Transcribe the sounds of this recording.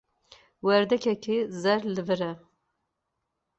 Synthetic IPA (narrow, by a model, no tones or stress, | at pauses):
wɛɾd̪ɛkʰɛkʰezɛɾlɨvɨɾɛ